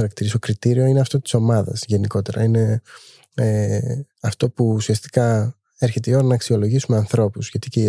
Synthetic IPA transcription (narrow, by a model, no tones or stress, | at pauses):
ɐɾɐkt̪iɾist̪o̞kɾit̪iɾio̞ine̞ɐft̪o̞t̪i̥so̞mɐðɐ̰sʝe̞niko̞t̪e̞ɾɐ̰ine̞ | e | ɐft̪o̞puːsiɐst̪i̥kɐ | eɾçe̞t̪̬eio̞ɾɐnɐːksio̞lo̞ʝisume̞ɐnθɾo̞puzʝɐt̪ice